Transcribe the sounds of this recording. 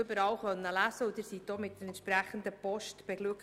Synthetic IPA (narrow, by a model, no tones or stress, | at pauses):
ʏbəɾɑːwχœnːəlæsəʊd̥̪ɪɾsit̚d̥ɔmɪt̚dəɾɛntʃpɾæχən̩d̪əpɔʃtb̥ɛɡlʉk